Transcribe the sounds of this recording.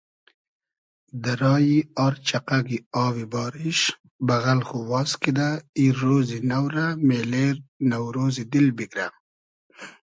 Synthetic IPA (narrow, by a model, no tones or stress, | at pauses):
d̪aɾɑːjiɑːɾt͡ʃaqaɡiɑːwibɑːɾiʃ | baɣalxuwɑːskid̪aiɾoːzinawɾameːleːɾnawɾoːzid̪ilbikɾa̰